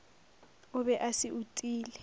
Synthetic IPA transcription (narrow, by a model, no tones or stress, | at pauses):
ʊbɛʔasɪʔutʼiːlɛ